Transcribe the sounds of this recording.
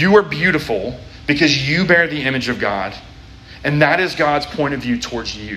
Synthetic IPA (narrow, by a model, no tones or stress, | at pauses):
jɨə˞bjʉɾɨfl̩ˠ | b̥ɨkʰʌzjɨbɛɹðiɪ̃mɨd͡ʒʌvɡɑ̰ɾ | ɨ̃nðɨɾɪzɡɑdz̥pʰɔ̃ɪ̃ɾ̃ʌvjʉtʰɔɹdzjʉ